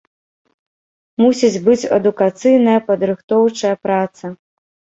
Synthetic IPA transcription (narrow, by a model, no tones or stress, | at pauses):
musʲid͡zʲbɨt͡sʲɐ̰d̪ukat̪sɨjnɐjɐpɐd̪ɾɨxt̪ɔwt͡ʂɐjɐpɾat̪sɐ